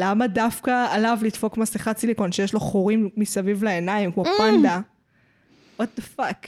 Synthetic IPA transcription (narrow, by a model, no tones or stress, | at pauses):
lamadafkaːlavlid̪fo̞kmasliχat͡silikonʃejeʃloχoʁimːisavivleenaimkmopand̪a | at̚d̪afak